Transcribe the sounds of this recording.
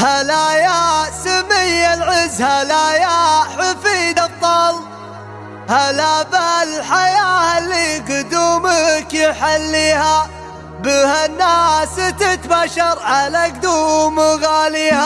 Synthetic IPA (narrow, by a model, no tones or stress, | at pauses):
halajasamɪjːalʕɪzːhalajaħafiːd̪ɑt̪ˤːɑl | halaballħajaːhalːiːɡʊd̪uːmakjɪħalːiːha | bɪhanːaːsɪt̪ɪt̪baʃɑɾˤʕalak̚d̪uːmɣaːliːha